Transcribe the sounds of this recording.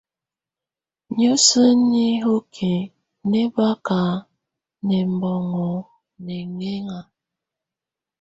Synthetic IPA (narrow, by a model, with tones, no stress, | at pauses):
ɲo˦sə˦nɲi˦ɦo˦kʰe˨ | ne˦ba˦ka˨˦ | nɛ˨m̩˨bɔ˨ŋo˨ | ne˨ŋe˦ŋa˨